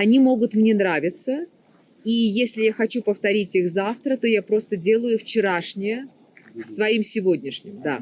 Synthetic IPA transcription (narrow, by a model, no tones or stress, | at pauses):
ɐnʲimo̞ɡʊt̪mnʲe̞nɾavʲɪt̪sə | ijesʲlʲɪjaxɐt͡ɕupəft̪ɐɾʲitʲixzaft̪ɾət̪o̞japɾo̞st̪ədʲe̞lˠəjʊft͡ɕɪɾaʂnʲɪjə | svɐimsʲɪvo̞dʲnʲɪʂnʲɪmd̪a̰